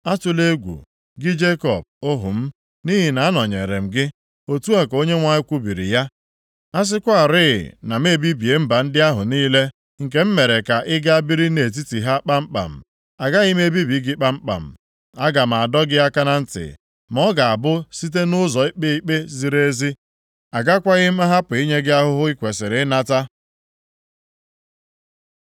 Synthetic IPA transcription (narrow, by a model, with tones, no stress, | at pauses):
a˦tʊ˦le˦ɡʷṵ˨ | ɡɪ˦d͡ʒe˦kɔ˨b̚o˦ɦʊ̰˨m̩˦ | ni˦ɦi˨na˨a˦nɔ˨ɲe˨ɾe˨m̩˨ɡɪ˦ | o˦tu˦a˨ko˦ɲe˦ŋʷa˨ɲɪ˦kʷu˦bi˨ɾḭ˨ja˦ | a˦s̬ɪ˦kʷa˨ɾɪ̰˦˨na˨m̩e˦˨bi˦bi˨e˨m̩˦ba˨n̩˦dɪ˦a˦ɦʊ˨niː˦le˦ | ŋ̩˨k̬e˨m̩˦me˨ɾe˨ka˨ʔɪ˦ɡa˦a˦bi˦ɾi˦ne˨t̬i˦ti˨ɦa˦k͡pa˦m̩˦k͡pa̰˨m̩˨ | a˨ɡa˦ɣɪ˦m˦e˦bi˦bi˨˦ɡɪ˦k͡pa˦m̩˦k͡pa̰˨m̩˨ | a˦ɡa˨m̩˨a˨dɔ˦ɡɪ˦a˦ka˦na˦n̩˦tɪ̰˨ | mɔ˦ɡa˨a˨bʊ˦si˦t̬e˦nʊ˦zɔ˨i˦k͡pe˦i˦k͡pe˦zi˨ɾe˦zi˦ | a˨ɡa˦kʷa˦ɣɪ˦m̩˦a˦ɦa˦pʊ˨i˦ɲe˦ɡɪ˦a˦ɦʊ˦ɦʊ˦i˦kʷe˨sɪ˨ɾɪ˨˦na˦ta˦